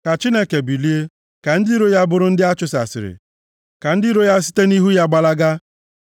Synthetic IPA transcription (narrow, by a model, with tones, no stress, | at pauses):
ka˨t͡ʃi˦ne˦ke˨bi˨li˦e˦ | ka˨n̩˦di˦ɾo˦ja˦bʊ˦ɾʊ˦n̩˦dɪ˦a˦t͡ʃʊ˨sa̰˨sɪ̰˨ɾɪ̰˨ | ka˨n̩˦dɪ˦ɾo˦ja˦si̥˦te˦ni˦ɦu˦ja˦ɡ͡ba˦la˦ɡa˦